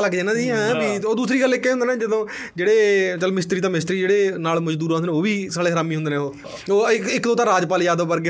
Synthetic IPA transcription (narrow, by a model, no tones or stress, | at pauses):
ləkd͡ʒeːnãːd̪iːɛ̃biːoːd̪uːsɾiːɡəlːɪkːɛːʊ̃nd̪eːnẽːd͡ʒɪd̪õː | d͡ʒeːɽeːt͡ʃəlmɪst̪ɾiːt̪ãːmɪst̪ɾiːd͡ʒeːɽeːnaːlməd͡ʒd̪uːɾɦnd̪nẽːoːʋiːsaːɽeːɦəɾaːmiːɦʊ̃nd̪eːnẽːoː | oːɪkɪkd̪õːt̪ãːɾaːd͡ʒpaːlijaːd̪oːpəɾɡe